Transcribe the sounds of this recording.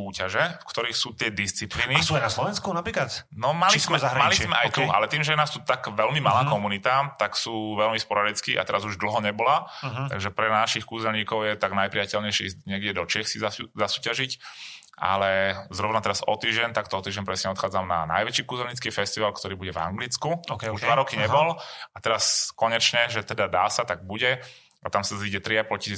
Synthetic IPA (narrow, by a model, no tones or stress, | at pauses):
uːcaʒɛfkt̪ɔɾiːxsuːt̪ɪɛd̪ist͡sipliːnisuːajnaslɔʋɛnskunapɾiːkat̪nɔmalismɛaɦɾmalismɛajt̪ua̰lɛt̪iːmʒɛjɛnaːst̪uːt̪aɡʋɛlmimalaːkɔmunit̪at̪aksuːʋɛlmispɔɾaɾɛt͡skiːʔa̰t̪ɛɾazuʒd̪l̩ɦɔɲɛbɔlat̪aɡʒɛpɾɛnaʃixkuːzɛlɲiːkɔʊjɛt̪aɡnajpɾiɪjacɛlɲɛɪʃɛizɲɛɡɟɛd̪ɔt͡ʃɪɛxsizazasuːcaʒic | a̰lɛzɾɔʊnat̪ɛɾazɔ̰t̪iːʒɟɛɲt̪akt̪ɔɔt̪iːʒɛnpɾɛsɲɛɔt̪xaːd͡zamna̰na̰jʋɛt͡ʃiːkuːzɛlɲit͡skiːfɛst̪iʋalkt̪ɔɾiːbuɟɛva̰ŋɡlit͡skukuʒdd̪ʋaɾɔkiɲɛbɔlat̪ɛɾaskɔɲɛt͡ʃɲɛʒɛt̪ɛd̪ad̪aːsat̪aɡ̚buɟɛ | at̪amsaziɟɛt̪ɾiaplɔci